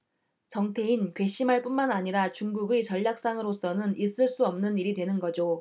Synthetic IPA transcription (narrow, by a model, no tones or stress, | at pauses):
t͡ɕʌŋtʰe̞inkwe̞ɕ͈imɦaɭp͈unmanaɲiɾat͡ɕuŋɡuɡet͡ɕʌʎːak̚s͈aŋɯɾos͈ʌnɯnis͈ɯɭs͈uʌmnɯniɾidwe̞nɯnɡʌd͡ʑo